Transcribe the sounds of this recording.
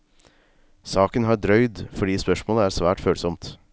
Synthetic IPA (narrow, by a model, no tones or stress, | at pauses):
sɑːkənhɑːɖɾœʏd̪fɔɖiːspœʃmoːləæːɾsʋæːʈføːlsɔmt̪